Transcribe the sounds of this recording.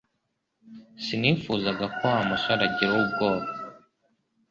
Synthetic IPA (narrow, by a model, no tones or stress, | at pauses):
sinifuzaɡakoamasaɾaɟiɾwob̚ɡoːɾ